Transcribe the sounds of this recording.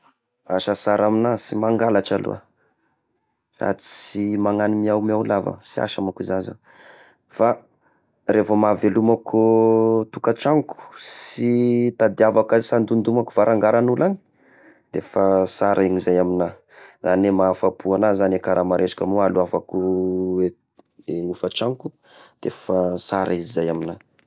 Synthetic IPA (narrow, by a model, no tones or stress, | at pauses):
aʃasaɾaminasimaŋɡalaʈ͡ʂalṵa̰ | sa̰t͡si̥simaŋanimiawmawlava̰sia̰ʃamakuzaza̰ | fa | refəmavelumakut̪ukaʈ͡ʂaŋku̥sit̪ad̪avakəsand̪und̪umakuvaɾaŋɡaɾanulani̥ | d̪efasaɾʔaiɲizajamina | zanemaːfapʰuanazanekaɾʔamaɾʔeʃḁkamualuavakuwe | eŋufət͡ʃaŋku̥ | d̪̥efasaɾaizizajamina